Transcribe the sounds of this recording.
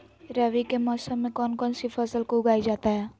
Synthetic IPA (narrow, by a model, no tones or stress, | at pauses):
ɾɛʋikemɔːsəmːẽkɔːnkɔːnsifəsəlkoʊɡaːid͡ʒaːt̪aɦɛː